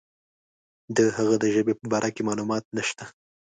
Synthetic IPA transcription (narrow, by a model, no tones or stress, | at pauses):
d̪əhaɣad̪əʒəbepəbɑɾʔakemɑlumɑt̪̚naʃt̪a